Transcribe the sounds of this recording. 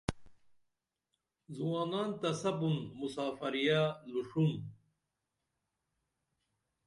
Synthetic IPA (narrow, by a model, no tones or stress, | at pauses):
zuwaːnaːnt̪ɐsɐbunmusaːfɐɾijaluʂun